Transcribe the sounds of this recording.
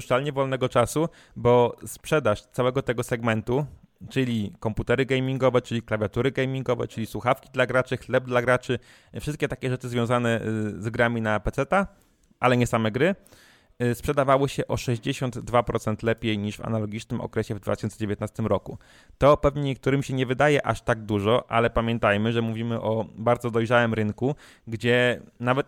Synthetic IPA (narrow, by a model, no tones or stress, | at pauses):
ʂt̪alɲɛvɔlnɛɡɔt͡ʂasu | bɔspʂɛd̪aʂt̪sawɛɡɔt̪ɛɡɔsɛɡmɛnt̪u | t͡ʂɘlʲikɔmput̪ɛɾɘɡɛjmʲiŋɡɔvɛt͡ʂɘlʲiklavʲjat̪uɾɘɡɛjmʲiŋɡɔvɛ̰t͡ʂɘlʲiswuxafkʲi̥d̪laɡɾat͡ʂɘxlɛb̚d̪laɡɾat͡ʂɘ | fʂɘst̪kʲɛt̪akʲɛʐɛt͡ʂɘzvjɔ̃w̃zanɛzɡɾamʲinapɛt̪sɛt̪a | ʔa̰lɛɲɛsamɛɡɾɘ | spʂɛd̪avawɘɕɛʔɔʂɛʑd͡ʑeɕɔnd̪d̪vapɾɔt̪sɛnt̪lɛpʲjejɲiʂva̰nalɔɡʲit͡ʂnɘmʔɔ̰kɾɛɕɛvd̪va̰t̪ɘ̥ɕɔnsɛd͡ʑevʲjet̪nast̪ɘmɾɔku | t̪ɔpɛvɲɛɲɛk̚t̪uɾɘmɕɛɲɛvɘd̪ajɛʔa̰ʂt̪aɡ̚d̪uʐɔʔa̰lɛpamʲjɛnt̪ajmɘʐɛmuvʲimɘʔɔbaɾd̪zɔd̪ɔjʐawɘmɾɘŋku | ɡd͡ʑɛnavɛt̪